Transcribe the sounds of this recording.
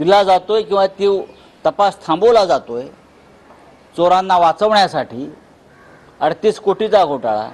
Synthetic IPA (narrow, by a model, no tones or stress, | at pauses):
d̪ilad͡zat̪ojkĩw̃ʋat̪iw | t̪əpast̪ʰãmbolad͡zat̪oj | t͡soɾanːaʋat͡səʋɳjasaʈiː | əɽt̪iːskoʈit͡saɡʱoʈaɭa̰